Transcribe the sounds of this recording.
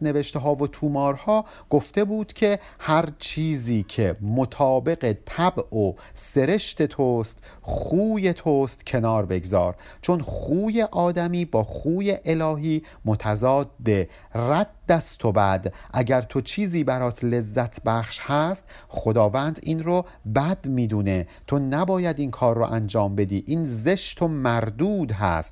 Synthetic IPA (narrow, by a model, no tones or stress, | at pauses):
ne̞ve̞ʃt̪eɦɒːvot̪ʰuːmɒːɾhɒː | ɡ̥o̞ft̪e̞buːd̪̥cʰe̞ | hæɾt͡ʃʰiːziːcʰe̞mot̪ʰɒːbe̞ɣe̞t̪ʰæbʔo | se̞ɾe̞ʃt̪e̞t̪ʰost̪ | χuːje̞t̪ʰost̪cʰe̞nɒːɾbe̞ɡzɒ̰ːɾ | t͡ʃʰo̞nχuːje̞ʔɒːd̪æmiːbɒːχuːje̞ʔelɒːɦiː | mot̪ʰæzɒːd̪ːe | ræd̪ːæst̪ʰobæd̪ʔæɟæɾt̪ʰo̞t͡ʃʰiːziːbæɾɒːt̪ʰle̞zːæt̪ʰbæχʃhæst̪χo̞d̪ɒːvænd̪iːnro | bæd̪miːd̪uːne̞t̪ʰo̞næbɒːjæd̪inkʰɒːrːo̰ʔænd͡ʒɒːmbe̞d̪iːʔiːnze̞ʃt̪ʰomæɾd̪uːd̪ɦæ̰st̪